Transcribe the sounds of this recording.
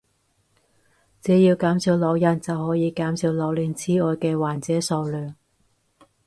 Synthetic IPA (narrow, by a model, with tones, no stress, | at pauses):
t͡sɛː˨˥jiː˧wkaː˨˥msi˧wlɔː˨˧wjɐ˨˩nt͡sɐ˨whɔː˨˥jiː˨˧kaː˨˥msiː˧wlɔː˨˧wliː˨˧nt͡sʰiː˨˥ɔː˧jkɛː˧waː˨˩nt͡sɛː˨˥so˧wlœː˨˩ŋ